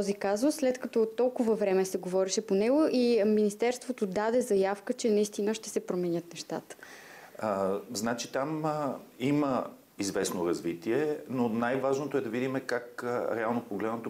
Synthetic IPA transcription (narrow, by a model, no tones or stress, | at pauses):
t̪ɔzikazʊsːlɛt̪kɐt̪ɔt̪ːɔlˠkʊvəvɾɛmɛsɛɡovɔɾɛʃɛponɛɡoʔiminist̪ɛɾst̪vot̪od̪ad̪ɛzɐjafkət͡ʃɛnɐist̪inəʃt̪ɛsɛpɾomɛnʲət̪nɛʃt̪at̪ə̥ | znat͡ʃit̪am | imə | izvɛsnoɾɐzvit̪iɛnonajvaʒnot̪oɛd̪ɐvid̪imɛkakɾɛalˠnopoɡlɛd̪ənot̪